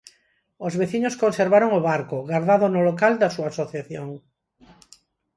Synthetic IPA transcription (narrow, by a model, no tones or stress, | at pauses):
ozβeθiɲoskonseɾβaɾoŋoβaɾkoɣaɾðaðonolokald̪asuasoθjaθjoŋ